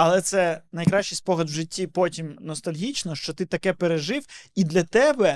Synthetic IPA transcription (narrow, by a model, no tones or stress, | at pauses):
ɐlˠɛt̪sɛnɐjkɾɑʃt͡ʃɪjspɔɦlʲɐd̪wʒɪtʲːipɔtʲimnɔst̪ɐlʲɦʲit͡ʃnɔʃt͡ʃɔt̪ɪt̪ɐkɛpeɾeʒɪwid̪lʲɐt̪ɛbɛ